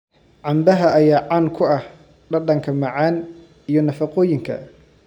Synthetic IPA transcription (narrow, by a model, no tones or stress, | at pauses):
ʕɑmbɐɦɐʔɐjaːʕankʰʊɐh | ɖɐɖɐŋkʰɐmɐʕaːn | ijɞnɐfɐqɔːjɪŋkʰɐ̰